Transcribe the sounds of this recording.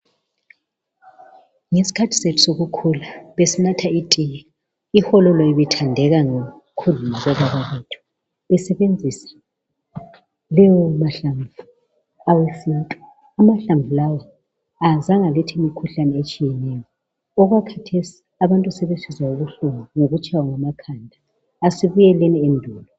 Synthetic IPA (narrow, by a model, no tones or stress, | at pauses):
ŋesi̥kʰatʰi̥setʰu̥soɣukʰulaβesinatʰaitʼiŋa | ixɔlɔlɔiβɛtʰandʱɛɣaŋe | kʰulunizɛβaβaβetʰu̥ | βɛsɛβend͡zʱisḁ | lɛjɔmaɬaɱvu | awesintʼɔ̥ | amaɬaɱvulawa | azaŋalɛtʰiimikʰuɬanɛet͡ʃʼijɛnɛːjɔ | ɔɣwakʰatʰesi̥ | aβantʼusɛβesisauɣuɬuŋuŋoɣut͡ʃʼawaŋamakʰandʱaː | siβujɛlɛniendʱuːlɔ